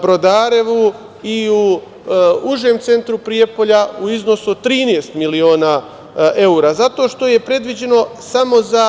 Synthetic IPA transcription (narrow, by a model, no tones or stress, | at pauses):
bɾo̞d̪aːɾeʋu | iu | uʒeːmt̪se̞nt̪ɾupɾijepo̞ʎauizno̞suot̪ːɾiːnest̪milio̞ːnaː | ʔe̞uɾaːzat̪o̞ːʃt̪o̞je̞pɾe̞d̪ʋid͡ʑe̞no̞samo̞za